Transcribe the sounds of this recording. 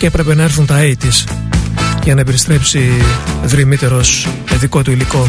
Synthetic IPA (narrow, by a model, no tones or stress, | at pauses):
epɾe̞pe̞nɐe̞ɾθunt̪ɐit̪is | ʝɐnɐipe̞ɾist̪ɾe̞psiðɾimit̪e̞ɾo̞s | eðiko̞t̪uiliko̞